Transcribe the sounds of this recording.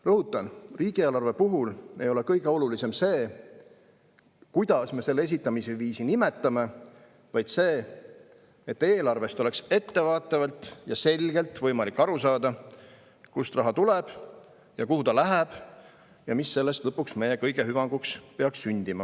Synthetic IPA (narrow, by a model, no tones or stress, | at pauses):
rɤɦut̪ːˑɑnriːɡ̥ieːlɑrve̞puɦule̞̰jo̞le̞kɤjɡ̥eo̞lulise̞mse̞ː | kujd̪̥ɑsme̞se̞lːee̞s̬it̪ːˑɑmiseviːsinime̞t̪ːˑɑme̞ | vɑjd̪̥se̞ː | et̪ːe̞ːlɑrve̞st̪o̞le̞kse̞t̪ːe̞vɑːt̪ːˑɑvɑlt̪ˑjɑse̞lʲɡ̥e̞lt̪ˑvɤjmɑlikːɑɾusɑːd̪ɑ | kust̪rɑɦɑt̪ulɛb̥ | jɑkuhut̪ɑlæɦæb̥ | jɑmisːe̞lːest̪lɤpːuksme̞je̞kɤjɡ̥e̞ɦyvɑŋɡ̥ukspeɑksːynʲd̪̥imɑ